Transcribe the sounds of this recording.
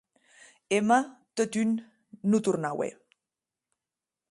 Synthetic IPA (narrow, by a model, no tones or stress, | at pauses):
emat̪ot̪ynː | ut̪uɾnawḛ